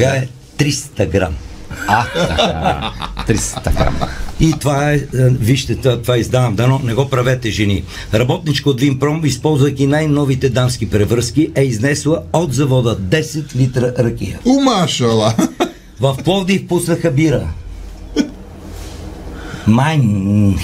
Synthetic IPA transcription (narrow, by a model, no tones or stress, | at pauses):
aɛ | t̪ɾist̪ɐɡɾa̰ma | t̪ɾist̪ɡɾa̰mit̪vaɛviʃt̪ɛt̪at̪vaizd̪anəmd̪ɐnɔnɛɡɔpɾɐvɛt̪ɛʒɛni | ɾɐbɔt̪nit͡ʃkod̪limpɾɔmispɔlˠzvəkʲinajnɔvit̪ɛd̪anskipɾɛvɾəskiʔɛiznɛslˠəod̪zɐvɔd̪əd̪ɛsɛt̪lit̪ɾəɾɐkʲḭjə̰ʊmaʃɐlˠə | vɐfplˠɔvd̪ifpusnəxɐbiɾə | man